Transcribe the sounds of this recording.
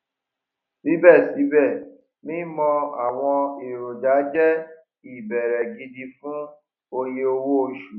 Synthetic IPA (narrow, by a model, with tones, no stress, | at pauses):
nĩ˦bɛ˦˨si˨˦bɛ˦˨ | mĩː˦mɔ̃˧a̰˨w̃ɔ̃˧e˨ɾo˨da˨˦d͡ʒɛ˦ | i˨bɛ˨ɾɛ˨ɡi˧di˧fũ˦ | o˧je˧o˧wo˦o˧ʃu˨